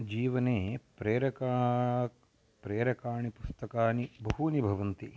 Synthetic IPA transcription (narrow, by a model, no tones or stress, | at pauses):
d͡ʒiːʋɐneːpɾeːɾɐkaː | pɾeːɾɐkaːɳipust̪ɐkaːnibɐɦunibʱɐʋɐnt̪i